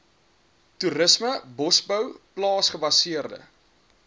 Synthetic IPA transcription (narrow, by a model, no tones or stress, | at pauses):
tuɾəsməbɔsbœwplɑːsχəbɐsiərdə̰